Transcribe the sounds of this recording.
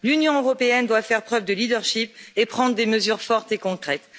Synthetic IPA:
lynjɔ̃øʁɔpeɛnd̪wafɛʁpχœvd̪əlid̪œʁʃipepχɑ̃d̪ʁəd̪eməzyʁfɔʁt̪ekɔ̃kχɛt̪

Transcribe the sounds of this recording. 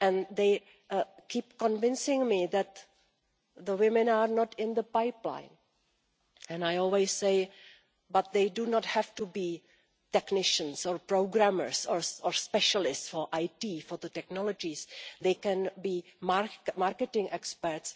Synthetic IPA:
ʔɛ̃nðeɪ | kiːpkɔ̃nvɪ̃nsɪ̃ŋmiðɛt̪ | ðəwɪmɛ̃naːɾnɔtɪ̃nðəpajplã̰jn | ʔɛ̃najɔlwisːeɪ | bat̪̚ðejdunɔthɛftubiː | tɛknɪʃə̃nsɔɹpɹoʊɡɾaməɹsɔɹʔɔɹspɛʃalɪstsfɔɹʔajtiːfɔɹðətɛknɔlod͡ʒisðeɪkɛ̃nbiːmaɹmaɾkɛtɪ̃ŋʔɛkspɛɹts

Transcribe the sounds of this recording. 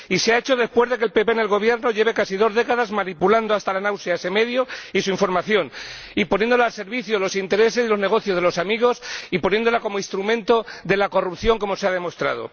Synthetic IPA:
iseae̞t͡ʃo̞ð̞e̞spwe̞zðe̞kelpe̞penelɣo̞β̞je̞ɾno̞ʎe̞β̞e̞kasiðo̞zðe̞kaðazmãnipuland̪oast̪alanawsjaese̞me̞ðjoisuiɱfo̞ɾmaθjo̞n | ipo̞njend̪olaːlse̞ɾβiθjolo̞sint̪e̞ɾe̞se̞sðilo̞zne̞ɣ̞o̞θjo̞zð̞e̞lo̞samiɣo̞sipo̞nje̞nd̪olako̞moist̪ɾumẽ̞nt̪o̞ðe̞lako̞rupθjo̞ŋko̞mo̞seaðe̞mo̞st̪ɾa̰ð̞o̞̰

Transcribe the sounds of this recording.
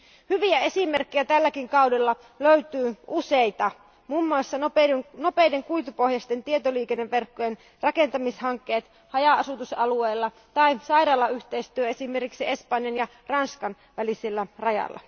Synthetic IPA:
hyʋiæe̞sime̞rkːijæt̪ælːækiŋkɑudelːɑ | løyt̪yːʔusejt̪ɑ | mumːuɑsːɑnopno̞pe̞jde̞ŋkujt̪upo̞hjɑst̪e̞nt̪ie̞t̪oliːkenːeʋʋe̞rkːojen | rɑke̞nt̪ɑmishɑŋkːe̞ːt̪ | hɑjɑɑsut̪usɑlueːlːɑ | t̪ɑisɑjɾɑːlːɑyht̪eist̪yøesime̞rkiksie̞spɑnjɑnjɑ | rɑnskɑn | ʋæliselːærɑjɑ̰lːɑ̰

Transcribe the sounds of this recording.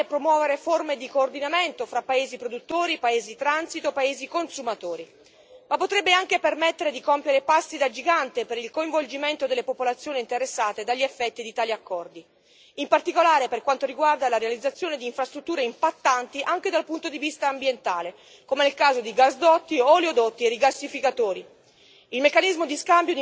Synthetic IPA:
epɾomwɔːveɾeformed̪ikoːrd̪inament̪ofɾapːaeːzipɾod̪ut̪ːoːɾipaeːzit̪ɾansit̪opaeːzikonsumat̪oːɾi | mapːot̪ɾɛbːeaŋkepermet̪ːeɾed̪ikompjeɾepasːid̪ad͡ʒiɡant̪epeɾilkoiɱvold͡ʒiment̪od̪elːepopolat̪sːjoːniːnt̪eɾesːaːt̪ed̪aʎːiefːɛt̪ːid̪it̪aːliakːɔrd̪i | impart̪ikolaːɾeperkwant̪oɾiɡward̪alaɾealid̪zːat̪sːjoːned̪iːɱfɾast̪ɾut̪ːuːɾeimpat̪ːant̪iʔaŋk̟ed̪alpunt̪od̪ivist̪aːmbjent̪aːle | komenelkaːzod̪iɡasd̪ɔt̪ːiɔljod̪ot̪ːieɾiɡasːifikat̪oːɾi | ilmekːanizmod̪iskambjod̪

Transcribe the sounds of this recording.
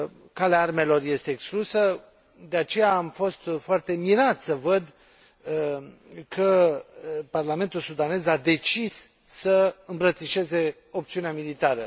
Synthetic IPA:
kaleaarme̞lo̞rje̞st̪e̞ːksklusə | d̪eat͡ʃe̞jaːmfo̞st̪foart̪e̞miɾat̪səvəd̪ | kʰə | parlame̞nt̪ulsud̪ane̞zad̪e̞t͡ʃisː | əɨmbɾət̪siʃe̞ze̞ | o̞pt̪siuneamilit̪aɾə

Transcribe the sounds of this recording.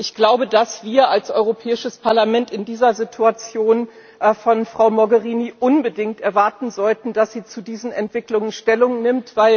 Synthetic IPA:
ʔɪçɡ̥laʊbədasv̥iːɐalsʔɔ̰ʏʁopʰɛːɪʃəspʰaɐlamɛntɪndiːzɐzitʰuat͡sjoːn | ʔfɔnfʁ̥aʊmɔɡəʁiːniʔʊnbədɪŋktɛɐvaɐtn̩zɔltn̩d̥asz̥iːt͡sudiːzn̩ɛntv̥ɪklʊŋənʃtɛlʊŋnɪmtv̥aɪl

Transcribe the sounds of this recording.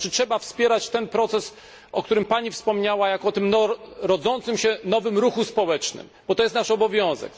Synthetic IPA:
t͡ʂɘtʂɛbafspʲjɛɾat͡ɕt̪ɛnpɾɔt̪sɛs | ʔɔkt̪uɾɘmpaɲifspɔmɲawajakɔt̪ɘmnɔɾɔd̪zɔnt̪sɘmɕɛnɔvɘmɾuxuspɔwɛt͡ʂnɘ̰mbɔt̪ɔjɛst̪naʂɔbɔvʲjɔ̃w̃zɛ̰k

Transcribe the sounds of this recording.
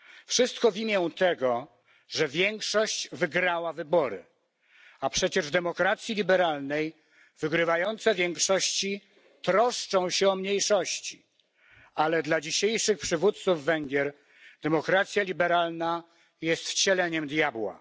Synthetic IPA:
fʂɘst̪kɔvʲimʲjɛ̃t̪ɛɡɔ | ʐɛvʲjɛŋkʂɔɕt͡ɕvɘɡɾawavɘbɔɾɘ̰ | apʂɛt͡ɕɛʐd̪ɛmɔkɾat̪sʲjilʲibɛɾalnɛj | vɘɡɾɘvajɔnt̪sɛvʲjɛŋkʂɔɕt͡ɕi | t̪ɾɔʂt͡ʂɔ̃w̃ɕɛɔmɲejʂɔɕt͡ɕi | alɛd̪lad͡ʑiɕejʂɘxpʂɘvut̪t̪suvːɛŋɡʲjɛɾ | d̪̥ɛmɔkɾat̪sʲjalʲibɛɾalna | jɛst̪t͡ɕɛlɛɲɛmd̪jabwa̰

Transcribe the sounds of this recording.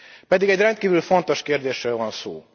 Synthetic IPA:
pɛd̪iɡɛɟrɛnt̪̚kiːvylfo̞nt̪o̞ʃkeːrd̪eːʃrøːlvɒnso̰ː

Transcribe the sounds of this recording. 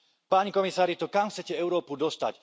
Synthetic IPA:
paːɲikɔmisaːɾit̪ɔkamxt͡sɛcɛɛʊɾɔːpud̪ɔst̪a̰c

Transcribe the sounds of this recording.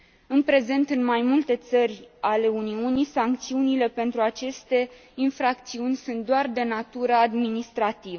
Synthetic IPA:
ɨnpɾe̞ze̞nt̪ɨnmajmult̪e̞t̪sərʲale̞uniunisaŋk̚t̪siunile̞pe̞nt̪ɾuat͡ʃe̞st̪e̞ | infɾak̚t̪siunʲsunt̪̚d̪oard̪e̞nat̪uɾəad̪minist̪ɾat̪ivə

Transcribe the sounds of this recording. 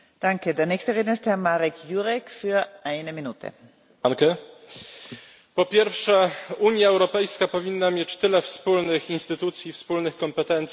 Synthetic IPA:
d̥aŋkədeːɐnɛːçstəʁeːdnɐɪsthɛɐmaʁɛkʰjuʁɛkfyɐʔaɪnəminuːt̪ʰə̰ | akɛ | pɔpʲjɛɾfʂɛuɲjaɛwɾɔpɛjskapɔvʲinːamʲjɛt͡ɕt̪ɘlɛfspulnɘxinst̪ɘt̪ut̪sʲjifspulnɘxkɔmpɛt̪ɛnt̪sʲ

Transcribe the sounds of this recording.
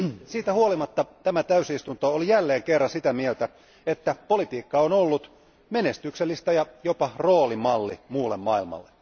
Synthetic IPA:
siːt̪æhuolimɑt̪ːɑt̪æmæt̪æysist̪unt̪oolijælːeːŋkerːɑsit̪æmielt̪æ | et̪ːæpolit̪iːkːɑonolːut̪ | menest̪ykselːist̪æjɑjopɑroːlimɑlːimuːlːemmɑilmɑ̰lːe

